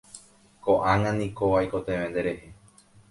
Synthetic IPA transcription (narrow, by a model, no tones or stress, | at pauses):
koʔãŋãnĩkoʋajko̞t̪ẽʋẽnd̪e̞ɾe̞he